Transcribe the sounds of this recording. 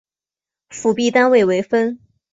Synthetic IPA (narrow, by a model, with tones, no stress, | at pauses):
fu˨˩pi˥˩t̪a˥nwe˥˩ɪwe˧˥ɪfə˥n